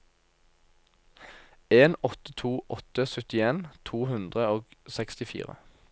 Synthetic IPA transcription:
eːnɔt̪ət̪ʰuːʔɔt̪əsœt̪ɪeːnt̪ʰuːhʉnd̪ʁəoːɡsɛkst̪ɪfḭːʁə̰

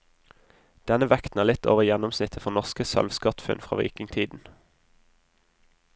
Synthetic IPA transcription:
d̪̥ɛnəʋɛkt̪n̩æːlɪt̪ʰo̰ːʋəjɛnɔmsnɪt̪ʰəfɔnɔʁskəsœ̰lʋskɑt̪fʉ̰nfʁɑ̰ːʋḭːkɪŋt̪ʰiːd̪n̩

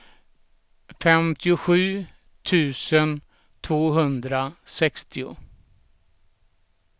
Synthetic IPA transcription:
fɛmt̪ʰɪʊɧʉ̟ː | t̪ʰʉ̟ːsən | t̪ʰvoːɦɵnd̪ɾasɛkst̪ʰɪʊ̰

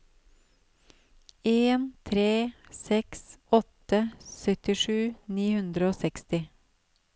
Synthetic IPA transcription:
eːnt̪ʰɾeːsɛksɔt̪əsœt̪ɪʃʉːniːhʉnd̪ɾəoːsɛkst̪ɪ

